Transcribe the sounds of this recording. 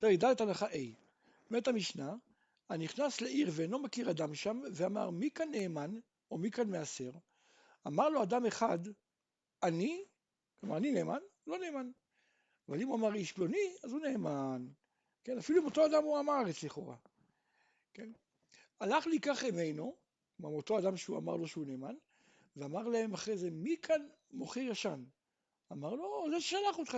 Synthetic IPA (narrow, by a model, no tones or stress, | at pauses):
t̪eʁeɡd̪alet̪anaχaʔej | met̪amiʃna | aniχnasleʔiʁveenlo̞makiʁad̪amʃamveama̰ʁmikanːe̞ːman | o̞mikanme̞ase̞ʁ | amaʁlo̞ad̪ameχad̪ | ani | kloma̰ʁanine̞ːmanlo̞ne̞ːman | avalimuamaʁiʃbloniazune̞ːman | ke̞nafiluimo̞t̪o̞ad̪amuamaaʁet͡sliχo̞̰ʁa̰ | ke̞n | alaχlikaχime̞jno̞ | mamo̞t̪o̞adamʃeua̰ma̰ʁlo̞ʃeune̞ːman | veamaʁlahe̞maχʁe̞zemikʰan | mo̞χijaʃan | amaʁlo̞zeʃeʃalaχot̪χa